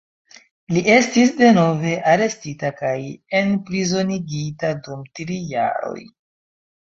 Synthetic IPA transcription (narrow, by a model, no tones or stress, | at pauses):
lie̞stis̬de̞no̞ve̞ʔaɾe̞stitakaje̞npɾizo̞niɡitadumtɾija̰ɾo̞̰j